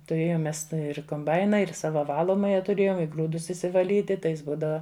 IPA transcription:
tʊˈrʲeːjoːm ˈmʲɛs ˈtɐ ɪr koːmˈbɐɪnɐ ɪr ˈsɑːʋɐ ˈʋɑːlˠoːmɐjɛ tʊˈrʲeːjoːm ɪ ˈɡruːdʊs ɪʃʲsʲɪʋɐˈlʲiːtʲɪ ˈtɐɪ ˈjɪs ˈbuːdɐʋɐ

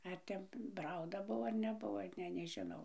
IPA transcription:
ˈɐr tʲɛn ˈprɐʊdɐ ˈbʊʋoː ɐr nʲɛˈbʊʋoː ˈnʲɛ nʲɛˈʒʲɪnɐʊ

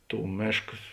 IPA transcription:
ˈtuː ˈmʲeːʃkɐs

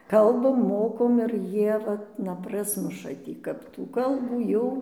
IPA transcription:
ˈkɐlˠbɐm ˈmoːkoːm ɪr ˈjiɛ ˈʋɐt nɐ ˈprɑːsmʊʃɐ ˈtʲiː kɐp tuː ˈkɐlˠbuː ˈjɛʊ

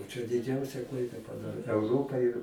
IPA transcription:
t͡ʃʲɛ dʲɪˈd͡ʒʲɛʊsʲɛ ˈklˠɐɪdɐ pɐˈdɑːrʲeː ɛʊˈroːpɐ ɪr

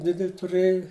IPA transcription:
ˈdʲɪdʲɛlʲ tʊˈrɘjʊ

